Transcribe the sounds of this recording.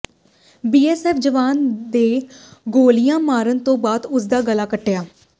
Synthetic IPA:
biːɛːsɛːfd͡ʒəʋaːnd̪eːɡoːlɪjãːmaːɾənt̪õːbaːd̪ʊsd̪aːɡəlaːkəʈːejaː

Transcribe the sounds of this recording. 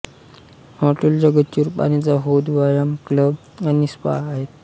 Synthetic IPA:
hɔʈəld͡ʑəɡət̪t͡ɕuːɾpa̰ɽ̃it͡saɦod̪ʋajamkləb | anispa̰aɦet̪

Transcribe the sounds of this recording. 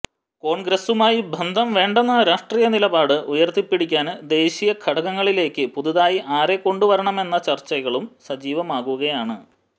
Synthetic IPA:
ko̞ːɳɡɾɐsumaːjibʱɐnd̪ʱɐmʋe̞ːɳɖenːɐɾaːʂʈrijɐnilɐbaːɽɨʔujɐrt̪ipːiɽikʲːaːnd̪e̞ːɕijɐkʰɐɽɐɣɐŋːɐɭile̞ːkʲːɨpuðuðaːjiʔaːɾe̞kːo̞ɳɖuʋɐɾɐɳɐme̞nːɐt͡ɕɐrt͡ɕːɐɣɐɭumsɐd͡ʑiːʋɐmaːɣuɣɐjaːɳɨ

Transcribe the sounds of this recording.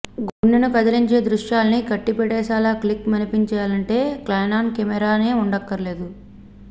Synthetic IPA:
ɡuɳːinukɐd̪ɐliɲt͡ʃe̞ːd̪ɾuʂjaːlɐnikɐʈːipɛɽɛːsaːlaːklikmɐnipiɲt͡ʃɐjaːlɐɳʈe̞ːklɐjnaːnkemɛɾaːne̞ːuɳɖɐkːɐɾle̞ːd̪u

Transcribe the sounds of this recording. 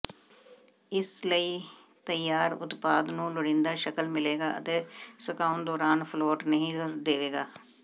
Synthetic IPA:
ɪsləiː | t̪əjːaːɾʊ̰t̪paːd̪nũːlʊɽɪ̃nd̪aːʃəkəlmɪleːɡaːʔə̰t̪eːsəkaːʊnd̪ɔːɾaːnpʰloːʈnəɦĩːd̪eːʋeːɡaː

